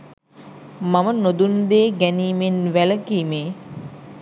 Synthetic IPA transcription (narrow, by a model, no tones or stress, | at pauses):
mamənod̪und̪eːɡæniːmenʋæləkiːmeː